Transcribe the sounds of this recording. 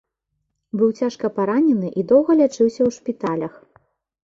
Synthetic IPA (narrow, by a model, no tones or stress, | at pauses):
bɨwt͡sʲaʂkɐpaɾanʲɛnɨʔid̪ɔwɣɐlʲat͡ʂɨwsʲɐwʂpʲit̪alʲɐx